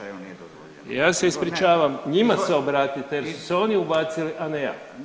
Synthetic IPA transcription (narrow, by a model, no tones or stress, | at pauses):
jaːse̞ispɾit͡ʃaːʋamɲimaseobɾaːt̪it̪eje̞ɾssu̥seo̞niubaːt̪siliʔaneja̰ː